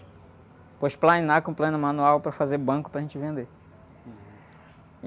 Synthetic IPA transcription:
pojʃplaĩnakõplẽnʊmãnuawpɾɐfazebɐ̃kʊ̥pɾɐʒẽnt͡ʃɪvẽnd̪e

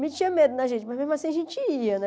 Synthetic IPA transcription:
mɪ̃t͡ʃĩɐmed̪ʊnɐʒẽnt͡ʃɪmɐzmezmuasĩɐʒẽt͡ʃɪiɐnɛ

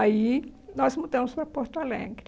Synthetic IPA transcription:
ainɔzmud̪ɐ̃mʊspɾɐpoɾt̪alḛ̃ɡɾ

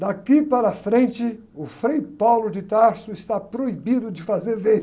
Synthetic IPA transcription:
d̪akipaɾɐfɾẽnt͡ʃɪ | ʊfɾejpawlʊd͡ʒɪt̪aɾsʊɪst̪apɾoibid̪ʊd͡ʒɪfazeɾvẽ

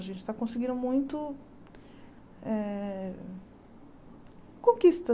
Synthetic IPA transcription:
ɐʒẽnt͡ʃɪ̥t̪akõsɪɡĩnd̪ʊmũj̃t̪ʊ | ɛ | kõkist̪ɐ

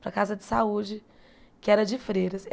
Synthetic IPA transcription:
pɾɐkazɐd͡ʒɪsaud͡ʒɪ | kɪɛɾɐd͡ʒɪfɾeɾɐs

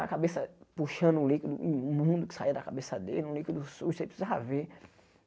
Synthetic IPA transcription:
a̰kabesɐpuʃɐ̃nulĩkʷid̪ũmũd̪uki̥said̪akabesɐd̪ḛlnũlĩkid̪usosepsizaave

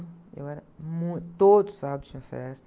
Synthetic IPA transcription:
ḛwɛɾɐmũj̃t̪t̪od̪ʊsab̪ʊ̥ɐ̃fḛɾɛs

